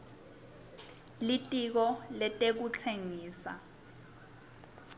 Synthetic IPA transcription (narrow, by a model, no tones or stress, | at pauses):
litʼik̬ɔlɛtʼek̬ut͡sʰeŋiːsa̰